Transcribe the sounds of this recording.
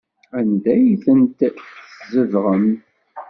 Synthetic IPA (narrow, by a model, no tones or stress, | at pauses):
ænd̪æjiθənt̪zəvʁəm